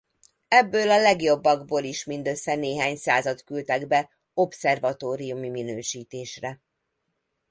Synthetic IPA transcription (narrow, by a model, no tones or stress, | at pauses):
ɛbːøːlɒlɛɡjo̞bːɒɡboːliʃmind̪ø̞sːɛneːɦaːɲsaːzɒt̪kylt̪ɛɡbɛ | o̞psɛrvɒt̪oːɾijumiminøːʃiːt̪eːʃrɛ